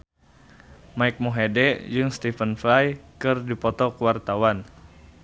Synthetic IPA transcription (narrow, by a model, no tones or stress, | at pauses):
maik̚muɦedɛʔd͡ʒɨŋst̪ifənflajkɨrdipɔt̪ɔkəwart̪awan